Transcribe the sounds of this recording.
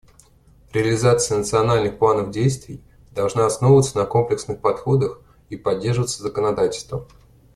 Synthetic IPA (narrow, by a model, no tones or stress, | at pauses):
ɾʲɪəlʲɪzat̪sɨjənət̪sɨɐnalʲnɨxplˠanəvdʲejst̪vʲɪj | d̪ɐlˠʐnaɐsno̞vvət̪sənəko̞mplʲɪksnɨxpɐt̪xo̞d̪əx | ipɐdʲːerʐəvət̪səzəkənɐd̪atʲɪlʲst̪və